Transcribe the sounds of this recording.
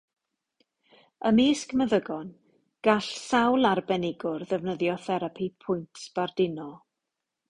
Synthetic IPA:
əmiːskəməðəɡɔn | ɡ̥aɬsawlˠarbɛnɪɡʊrðɛvnəðjɔθɛɾapʰipʰʊjntʰb̥ardɪnɔ

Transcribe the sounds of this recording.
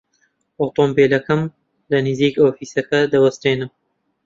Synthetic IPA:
ʔoːt̪oːmbeːlɐkɐm | lɐnɨziːkoːfiːsɐkɐd̪ɐwɐst̪eːnɨm

